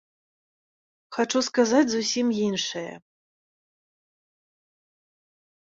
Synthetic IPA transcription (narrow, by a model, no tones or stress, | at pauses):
xat͡ʂuskazat͡sʲzusʲimjinʂɐjɛ̰